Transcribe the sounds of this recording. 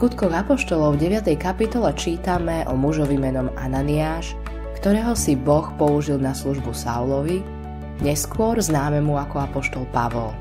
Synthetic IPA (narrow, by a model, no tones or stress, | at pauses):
skut̪kɔɣapɔʃt̪ɔlɔʊvɟɛʋɪat̪ɛjkapit̪ɔlɛt͡ʃiːt̪amɛʔɔmuʒɔʋimɛnɔma̰naniaːʃ | kt̪ɔɾɛːɦɔsibɔxpɔuʒilˠnasluʒbusa̰ulɔʋi | ɲɛskʊɔɾznaːmɛmuakɔapɔʃt̪ɔlˠpaʋɔl